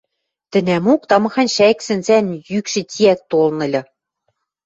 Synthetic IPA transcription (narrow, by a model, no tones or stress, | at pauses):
t̪ɘ̆nʲæmukt̪ɑmɤ̆xɑnʲʃæksɘ̆nzænjykʃɘ̆t̪ʲiæk̚t̪olnɤ̆lʲɤ̆